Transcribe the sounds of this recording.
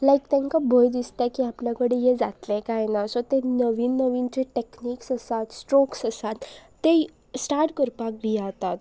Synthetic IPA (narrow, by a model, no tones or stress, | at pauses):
lajk̚t̪ãŋkabʱojd̪ist̪akiapljakəɽejed͡zat̪lekajnasot̪enəʋiːnːəʋint͡ɕeʈekniːksəsat̪sʈɾoksəsat̪ː | e | sʈaɾʈkəɾpak̚bʱiat̪at̪